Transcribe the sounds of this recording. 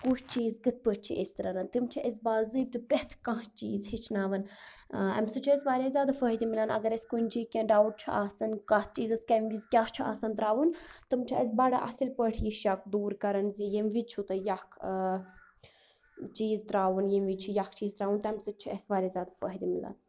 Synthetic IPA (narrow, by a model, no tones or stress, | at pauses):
kut͡ʃt͡ʃiːzɡɨt̪̚pəʈ̚ʲt͡ʃʰḭʔesʲt̪ɾɐnɐnt̪imt͡ʃʰiʔesbaːzɨːb̚t̪ipɾeht̪ʰkãɦt͡ʃiːzhit͡ʃʰnaːʋɐn | ɛ̰msɨt͡ʃʰiesʲʋaːɾʲeːzʲaːd̪afəːɦid̪imilanɐ̰ɡɐɾesʲkunʲd͡ʒikʲẽɖaːwʈ̚t͡ʃʰua̰ːsɐnkat̪̚ʰt͡ʃiːzɐskɐmʋizkʲat͡ʃʰua̰ːsɐnt̪ɾaːʋunt̪ɨmt͡ʃʰies̬baːɽa̰ʔɐ̰silpəʈʰjiʃjak̚d̪uːɾkɐɾɐnzijimʋit͡ʃʰut̪ɐjakʰ | t͡ʃiːzt̪ɾaːʋunjimʋit͡ʃʰujakʰt͡ʃiːzt̪ɾaːʋunt̪ɐɛmsɨt͡ʃʰiesʋaːɾʲezʲjaːd̪ɐfə̰ːɦid̪imila̰n